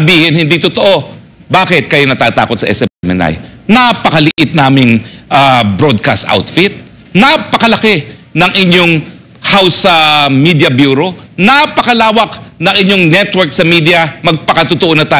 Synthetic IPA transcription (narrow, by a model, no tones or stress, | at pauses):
biːhɪnhɪnd̪it̪ʊt̪oʔo̞ | baːkɪt̪̚kɐjonɐt̪aːt̪a̰ːkot̪sɐʔɛ̰sɛpɛmɛ̰na̰jnapɐkɐlɪʔɪt̪̚naːmɪŋʔabɾo̞d̪̚ka̰st̪ʔa̰wt̪fɪt̪̚ | nɐpɐkɐlɐkɛnɐŋʔɪɲo̞ŋ | hawsɐmid̪jɐbjuːɾo̞napɐkɐlaːwɐk̚nɐŋʔɪɲoŋnɛt̪wɛɹksɐmiːd̪iɐmɐɡ̚pɐkɐt̪ʊt̪oʔonɐt̪aː